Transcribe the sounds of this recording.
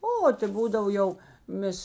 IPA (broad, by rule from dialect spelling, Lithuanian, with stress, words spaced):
ˈoː tɐ ˈbuːdɐw ˈjɛʊ ˈmʲeːs